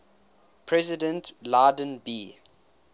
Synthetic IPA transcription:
pʰɹɛzɪdə̃ntlaːdə̃nbi

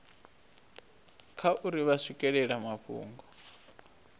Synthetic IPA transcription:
kʰaʔuɾiβasikʼɛɺɛɺamaɸʰṵːŋɡɔ

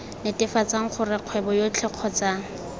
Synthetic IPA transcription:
nɪtʼɪfat͡saŋ̩χʰʊrɪq͡χʰwɛbɔjot͡ɬʰɛq͡χʰɔt͡sa

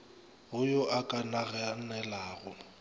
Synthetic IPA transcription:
ɦʊjɔʔakʼanaɣɛanɛlaːɣʊ

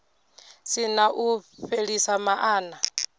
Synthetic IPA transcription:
sinaʔuɸeɺisamaʔaːna

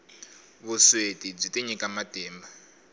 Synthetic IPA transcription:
βuswetib͡ʐiteɲikamadɛːmba

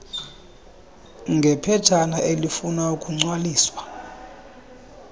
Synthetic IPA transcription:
ŋɡʱɛpʰɛd̥t͡ʃʰanaʔelifunaukʼuŋ͡ǀwaliːswa

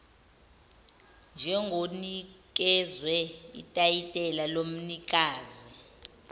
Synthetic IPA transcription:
nd͡ʒʱɛŋɡʱonik̬ʼɛzwɛḭtʼajitʼɛlalom̩nik̬ʼaːzi

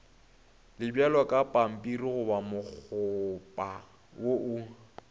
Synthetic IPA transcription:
lɪbjalwakʼapʼam̩pʼiriɣʊbamʊk͡xʰʊpʼa | woʔʊ

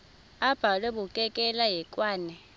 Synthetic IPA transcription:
ab̥ʱalwɛbʊkʼɛkʼɛlaɦɛkʼwaːnɛ

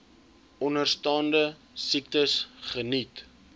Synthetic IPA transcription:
ɔnərstɑːndə | sik̚təsχənit

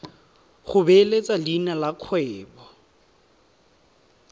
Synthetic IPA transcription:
χʊbelet͡sʼalinalakʰwɛːbɔ

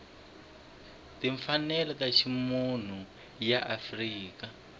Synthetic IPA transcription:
tiɱfanɛlɔtaʃʰimun̤u | jaʔafriːka

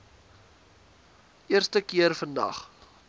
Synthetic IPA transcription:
ʔiərstəkiərfəndɐ̰χ

